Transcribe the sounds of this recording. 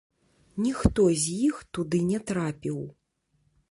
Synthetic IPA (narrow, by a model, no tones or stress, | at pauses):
nʲixt̪ɔzʲjixt̪ud̪ɨnʲɛt̪ɾapʲiw